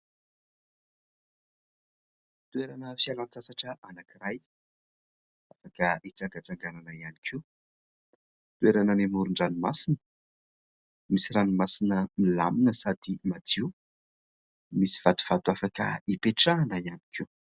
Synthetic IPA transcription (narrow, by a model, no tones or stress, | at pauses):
t̪ueɾanəfialant͡sasaʈ͡ʂəʔanakiraj | afakəit͡saŋɡat͡saŋɡananəianikʰi | t̪ueɾanənimuɾuɳɖ͡ʐanimasinə̥ | misiɾanimasinəmila̰minəsad̪imat̪iu | misi̥v̥at̪u̥v̥at̪uafakə̰ipeʈ͡ʂaːnəiani̥kʰi